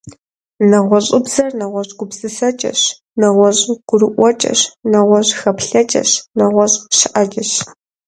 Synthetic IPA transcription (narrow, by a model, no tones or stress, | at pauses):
nɐʁʷɔɕʼɪbzɐrnɐʁʷɔɕɡʷʊbzɨsɐt͡ʃʼɐ̰ɕ | nɐʁʷɔɕʼɡ̥ʷʊɾɨʔʷɔt͡ʃʼɐ̰ɕnɐʁʷɔɕxɐpɬɐt͡ʃʼɐ̰ɕnɐʁʷɔɕʼʃɪʔɐt͡ʃʼɐɕ